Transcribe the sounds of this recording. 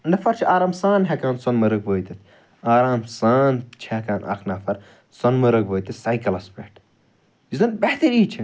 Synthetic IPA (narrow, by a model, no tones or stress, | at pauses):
nɐfɐɾt͡ʃʰiʔaːɾaːmsaːnɦekaːnsɐnmɐɾɐk̚boːjt̪it̪ʰ | aːɾaːmsaːnt͡ʃʰeːkaːnʔɐ̰kʰnaːfɐɾ | sɐnmɐɾɐkʋoːjt̪ɐsajkɐlɐspeːʈ | izɐnbeht̪ɐɾiːt͡ʃʰi